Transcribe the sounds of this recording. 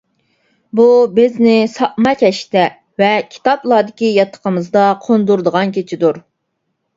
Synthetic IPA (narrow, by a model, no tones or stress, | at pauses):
bubɪznɪsɑʔmɑkʲɛʃt̪ɛ | vɛkʲʰi̥t̪ʰɑplˠɑːd̪ɪkʲijɑt̪ʰːə̥qʰəmɨzd̪ɑqʰond̪uɾd̪əʁɑnkʲʰet͡ʃʰid̪uɾ